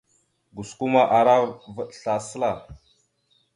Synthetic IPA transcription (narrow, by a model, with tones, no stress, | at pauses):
ɡu˨sku˦ma˦ʔa˨ɾa˦və˦ɬa˨sə˦la˦˨